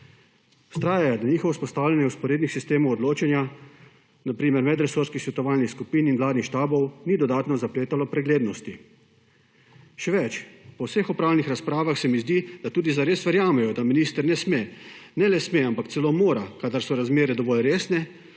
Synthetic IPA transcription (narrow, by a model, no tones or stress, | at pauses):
u̥st̪ɾaːjajad̪aniːxɔʋɔspɔst̪aːwlʲanjɛwspɔɾeːd̪nixsist̪eːmɔwɔd̪loːt͡ʃɛnja | napɾiːmɛɾmɛd̪ɾɛsuɾskixsʋɛt̪ɔʋaːlnixskupiːninʋlaːd̪nixʃt̪aːbɔwnid̪ɔd̪aːt̪nɔzapleːt̪alɔpɾɛɡleːd̪nɔst̪i | ʃɛʋɛt͡ʃpɔwsexɔpɾawlnixɾaspɾaːʋaxsɛmizd̪id̪at̪uːd̪izaɾeːsʋɛɾjaːmɛjɔd̪aminist̪əɾnɛsmenɛlɛsmeampakt̪sɛlomoːɾakad̪aɾsɔɾazmeːɾɛd̪ɔʋɔlɾeːsnɛ